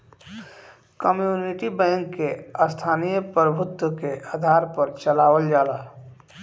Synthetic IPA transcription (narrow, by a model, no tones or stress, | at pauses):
kəmjuːniʈibɛ̃ːŋkːeəst̪ʰaːnijəpɾəbʱʊt̪wəkeʔaːd̪ʱaːɾpəɾt͡ʃəlaːwəld͡ʒaːlaː